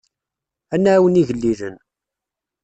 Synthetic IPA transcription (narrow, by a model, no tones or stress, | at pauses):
ænːæwəniʝəlːilə̰n